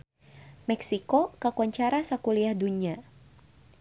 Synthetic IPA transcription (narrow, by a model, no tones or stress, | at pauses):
mɛksikokakwaɲt͡ʃaɾasakuliahdunia